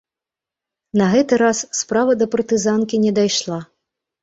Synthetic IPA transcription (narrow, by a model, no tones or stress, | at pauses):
nɐɣɛt̪ɨɾasːpɾavɐd̪ɐpɐrt̪ɨzankʲinʲɛd̪ajʂlˠa